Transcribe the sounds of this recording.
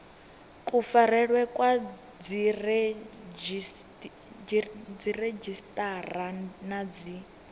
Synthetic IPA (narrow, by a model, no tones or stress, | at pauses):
kʼufaɾɛɺwɛkʼwa | d͡zir | d͡zired͡ʒistʼaranad͡zi